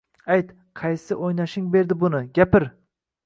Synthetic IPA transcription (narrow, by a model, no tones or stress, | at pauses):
ajt̪ | qʰɑjsɪʔojnaʃɪŋbe̞ɾd̪ɪbʊnɪɡʲapɪɾ